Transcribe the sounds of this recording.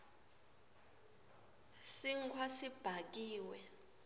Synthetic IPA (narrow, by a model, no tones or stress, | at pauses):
siŋkʰwasib̥ʱak̬iːwɛ